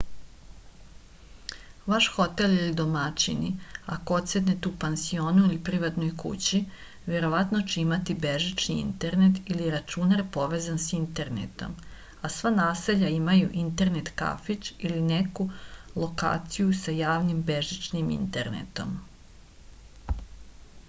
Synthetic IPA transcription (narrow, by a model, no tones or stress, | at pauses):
ʋaʃxo̞t̪e̞lilid̪o̞mat͡ɕinia̰koot̪se̞net̪upansio̞ːnuilipɾiʋat̪no̞jkṵt͡ɕi | ʋe̞ɾo̞ʋat̪no̞t͡ɕeimat̪ibeʒit͡ʃniḭnt̪e̞ɾnet̪iliɾat͡ʃunaɾpo̞ʋe̞ːzansint̪e̞ɾnḛt̪o̞̰m | asʋanaːse̞ʎaimajuʔint̪e̞ɾnet̪ka̰fit͡ʃilinekulo̞ka̰ːt̪sijusajaːʋnimbe̞ʒit͡ʃnimḭnt̪e̞̰ɾnḛt̪o̞̰m